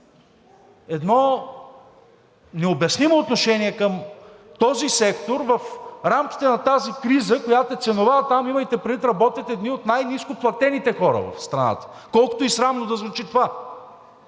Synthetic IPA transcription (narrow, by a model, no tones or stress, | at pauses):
ɛd̪nɔ | nɛobɐsnimoːt̪noʃɛniɛkəmt̪ɔzisɛkt̪oɾvəfɾamkʲi̥t̪ɛnɐt̪azikɾizəkojat̪oɛt̪sɛnovat̪amiməjt̪ɛpɾʲvit̪ɾɐbɔt̪ɛt̪ɛd̪niot̪najniskoplˠɐt̪ɛnit̪ɛxɔɾə̰vɐ̰fst̪ɾɐna̰t̪ə̥ | kɔlˠko̥t̪oisɾamnod̪ɐzvut͡ʃit̪ova